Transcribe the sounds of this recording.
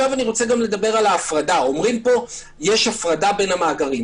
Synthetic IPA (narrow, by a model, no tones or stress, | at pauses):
avaniʁot͡se̞ɡamle̞d̪abe̞ʁalaːfʁadao̞mʁimpo̞ | jeʃhafʁadabe̞nhamaːɡaʁim